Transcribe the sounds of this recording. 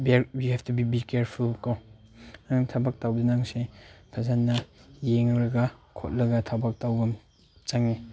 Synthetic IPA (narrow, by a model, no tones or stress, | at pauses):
beɾwihɛftubibikeɾpʰulko | aŋtʰabak̚tawbdenaŋsepʰazanːɐjeŋɾɐɡakʰo̰t̚lɐɡɐtʰabak̚tawɡɐm | t͡ʃaŋne